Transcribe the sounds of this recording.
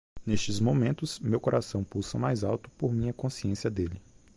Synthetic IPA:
neʃt͡ʃɪzmõmẽnt̪ʊzmewkoɾʔasɐ̃w̃pusɐmajzawt̪ʊ̥poɾmĩɐkõsiẽsiɐd̪elɪ

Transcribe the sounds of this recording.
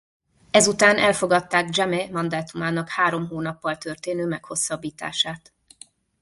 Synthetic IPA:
ɛzut̪aːnɛlfo̞ɡɒt̪ːaːɡd͡ʒɛmɛmɒnd̪aːt̪umaːnɒkhaːɾo̞mɦoːnɒpːɒlt̪ørt̪eːnøːmɛkho̞sːɒbːiːt̪a̰ːʃaːt̪

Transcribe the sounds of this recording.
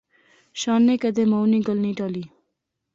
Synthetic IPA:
ʃaːnːekɐd̪emɐwniɡɔlniʈaːli

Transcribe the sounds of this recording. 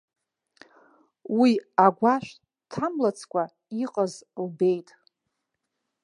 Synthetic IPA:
wiaɡʷaʃʷᶣ | tʰamlat͡sʰkʷʰʼa | iqʼəzlbe̞jtʼ

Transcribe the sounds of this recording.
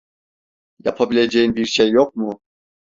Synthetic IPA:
ja̰pʰabilʲe̞d͡ʒejinbiɾʃejːok̚mʊ

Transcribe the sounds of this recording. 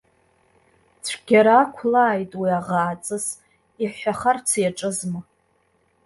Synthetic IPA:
t͡sʷʰɡʲaɾakʷʰlaːjtʼwiaʁaːt͡sʼɨs | iħʷaχart͡sʰjaʈ͡ʂʼɨzmɨ

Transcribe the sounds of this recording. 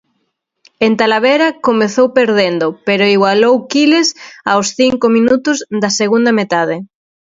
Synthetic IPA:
ent̪alaβeɾɐkomeθowpeɾðend̪ʊpeɾoiɣwalowkilesa̰wsθiŋkomĩnut̪ʊzðɐseɣund̪ɐmet̪aðɪ

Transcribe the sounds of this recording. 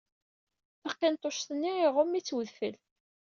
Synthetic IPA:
θəqːɪnt̪ˤoʃθənːiɪʁʊmːit͡sːwəðfə̰l

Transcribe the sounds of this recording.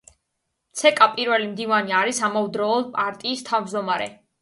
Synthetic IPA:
t̪sʰɛkʼapʼiɾvɛlimd̪ivaniaɾisamaud̪ɾɔːlˠpʼaɾt̪ʼiːst̪ʰavmd͡ʒd̪ɔmaɾɛ̰

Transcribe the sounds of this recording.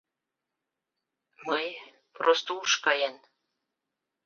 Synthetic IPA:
məj | prost̪ouʃkɑjen

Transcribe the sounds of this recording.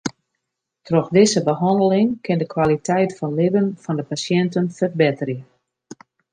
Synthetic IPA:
trɔxdɪzəbəɦɑndəlɪŋkʰɪndəkwalitɛjtfɔnlɪbənfɔndəpasjɛntənfərbɪtərjə

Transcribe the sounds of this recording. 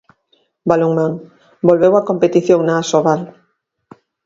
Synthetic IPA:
baloŋmãŋ | bolβewakompet̪iθjoŋnaːsoβal

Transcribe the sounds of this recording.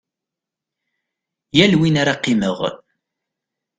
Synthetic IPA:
jælwinaɾaqːiməʁ

